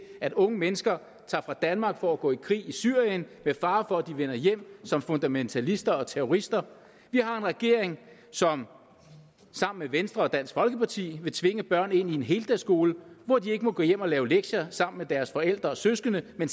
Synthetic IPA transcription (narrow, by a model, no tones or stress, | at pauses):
æɾɔ̽ŋəmenəsɡ̥ɐ | t͡sʰɑ̈ːfʁɑ̈d̥ænmɑ̈ːɡ̥fɒ̽æɡ̥ɔ̰ːikʰʁḭːisyɐ̰jənmefɑ̈ːfɒ̽æd̥iʋenɐjem̰sɒ̽mfo̽nd̥æment͡sʰælisd̥ɐɒ̽t͡sʰeʁɔʁisd̥ɐ | ʋihɑ̈e̝nʁɛɡ̥e̝ɐ̰eŋ | sɒ̽m | sɑ̈m̰n̩meʋensd̥ʁɐɒ̽d̥æn̰sɡ̥fɒ̽lɡ̥əpʰɑ̈t͡sʰḭːʋe̝t͡sʰʋe̝ŋəb̥ɶɐ̰ne̝n̰ie̝nɦe̝ːld̥æsɡ̥o̝ːləʋɒd̥ie̝ɡ̥əmɒ̽ɡ̥ɔ̰jem̰ɒ̽lɛːʊleɡ̥ɕɐsɑ̈m̰n̩med̥æɐsfɒ̽el̰d̥ʁɐɒ̽søsɡ̥ənəmen